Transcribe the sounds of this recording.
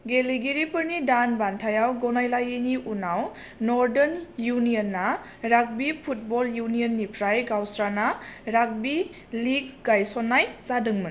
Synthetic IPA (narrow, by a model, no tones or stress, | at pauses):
ɡeliɡiɾipʰɯɾnidanbantʰajawɡɔnajlajiniʔunaw | nɔɾdenjunijɔnːa | ɾak̚bipʰut̚bɔljuniɔnːipʰɾajɡawsɾanaɾak̚bi | liɡɡajsɔnajzadɯŋmɯn